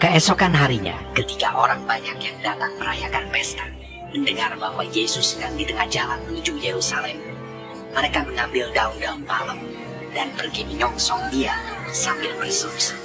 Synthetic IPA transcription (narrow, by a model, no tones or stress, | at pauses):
kəɛsokanɦaɾiɲa̰kət̪ikaʔoɾaŋbaɲakjaŋdat̪aŋpəɾajakanpɛst̪a | məndəŋarbaɦwa̰jesʊsjaŋdit̪əŋahd͡ʒalanmənud͡ʒujeɾusalɛm | məɾekaməŋambɪldaumdaummaləm | danpərɡiməɲɔŋsɔŋdiasambɪlbərsəɾʊs